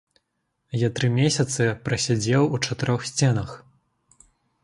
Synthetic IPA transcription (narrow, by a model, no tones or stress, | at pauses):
jat̪ɾɨmʲesʲɐt̪sɨpɾɐsʲad͡zʲɛwut͡ʂɐt̪ɨɾɔxsʲt͡sʲɛnɐx